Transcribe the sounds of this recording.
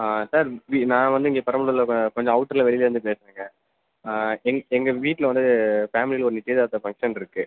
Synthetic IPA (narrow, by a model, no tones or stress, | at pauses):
asaːɾʋiːnãːʋɐnd̪ɯɪŋɡepɐɾɐmɐlɯlɐkɔɲd͡ʒɔ̃ɐʋʊʈːɐɾlɐʋɛɭɪleːʋɐnd̪ɯpeːsɾeːŋɡɐ | ɛŋɛŋɡɐʋiːʈːɪlʋɐnd̪ɯfaːmɪlilɔɾɐnɪʈːieðɐt̪ːɐfɐŋkʂɐnɪɾɯkːɯ